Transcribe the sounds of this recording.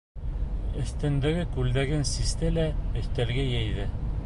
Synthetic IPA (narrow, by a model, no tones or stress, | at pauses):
ɵ̆θt̪ɘ̆nd̪ɘ̆ɡɘkʉld̪æɡɘnsist̪ɘlæɘ̆θt̪ælɡæjæjðɘ